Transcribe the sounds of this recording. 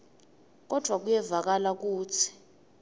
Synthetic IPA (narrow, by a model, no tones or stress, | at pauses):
k̬ɔd̥ʱwak̬ujɛvak̬alak̬uːt͡sʰi̥